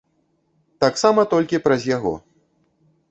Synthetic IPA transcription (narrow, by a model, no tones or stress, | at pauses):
t̪aksamɐt̪ɔlʲkʲipɾɐzʲjaɣɔ̰